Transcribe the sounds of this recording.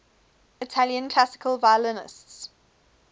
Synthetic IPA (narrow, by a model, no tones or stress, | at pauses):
ɪtʰaljə̃nkʰl̥asɪ̥kʰəlˠvaɪələnɪ̰sts